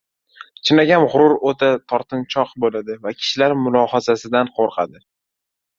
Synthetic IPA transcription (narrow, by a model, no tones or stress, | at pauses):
t͡ʃʰɪnaɡʲanʁʊɾʊɾot̪ʰat̪ʰɒɾt̪ʰɪnt͡ʃʰɒqbolad̪ɪvakʲʰɪ̥ʃɪlaɾmʊlˠɒhazasɪd̪anqʰoɾqʰɑ̰d̪ɪ